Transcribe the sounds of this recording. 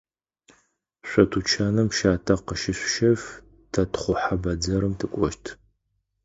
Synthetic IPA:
ɕʷɔtʰut͡ʃʰaːnɐmʃaːtʰɐqəʃɪɕʷʃɐf | tʰɐtʰχʷʊħabɐd͡zɐɾɨmtʰɨkʷʼɔʃtʰ

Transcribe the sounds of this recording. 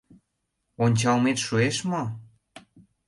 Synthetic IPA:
onʲt͡ɕɑlmet̪ʃueʃmo

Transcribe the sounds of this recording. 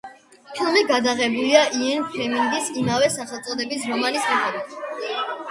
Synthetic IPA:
t̪ʰumɛɡad̪aʁɛbuliaʔiɛnpʰɾɛmiŋɡisimavɛsaχɛlˠt̪sʼɔd̪ɛbisɾɔmalismitɔbat

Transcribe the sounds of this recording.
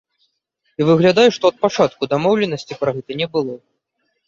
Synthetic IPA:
ivɨɣlʲad̪ajuʂt̪ɔɐt̪̚pat͡ʂat̪kud̪amɔwlʲɛnɐsʲt͡sʲipɾaɣɛt̪ɐnʲɛbɨlˠɔ

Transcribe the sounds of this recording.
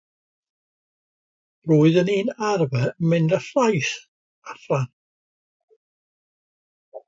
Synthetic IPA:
ruːɨðəniːnarvɛmɪndaɬlajs | aθlan

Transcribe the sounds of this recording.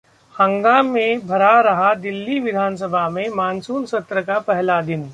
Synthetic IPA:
hɐ̃ŋɡaːmːẽbʱɐɾaɾɐɦad̪ɪlːiʋɪd̪ʱaːns̬əbʱamẽmaːnsuːnsɐt̪ɾəkapɛɦlad̪ɪn

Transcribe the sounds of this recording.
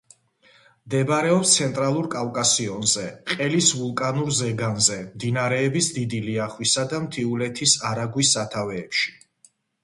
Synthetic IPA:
md̪ɛbɾɛɔpst̪sʰɛnt̪ʼɾalˠuɾkʼavkʼasiɔnzɛqʼɛlisvulˠkʼanuɾzɛɡanzɛmd̪inaɾɛːbisd̪id̪iliaχwisad̪amt̪ʰiulɛt̪ʰisaɾaɡwisːat̪ʰavɛːpʃi̥

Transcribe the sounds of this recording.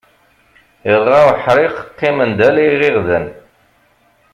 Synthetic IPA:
ɪðˤʁawħɾˤɪqəqːɪmənd̪æliʁiʁðən

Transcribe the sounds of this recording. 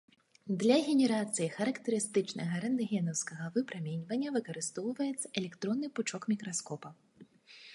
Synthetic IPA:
d̪lʲɐɣʲɛnʲɛɾat̪sɨjixɐɾɐkt̪ɐɾɨst̪ɨt͡ʂnɐ̰ɣɐɾɛnd̪ɐɣʲɛnɐwskɐɣɐvɨpɾamʲenʲvɐnʲːɐvɨkɐɾɨst̪ɔwvɐjɛt̪sɐɛlʲɛkt̪ɾɔnːɨput͡ʂɔkmʲikɾaskɔpɐ

